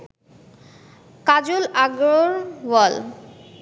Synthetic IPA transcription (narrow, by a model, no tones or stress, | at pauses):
kad͡ʑolaɡɾoɾwɔl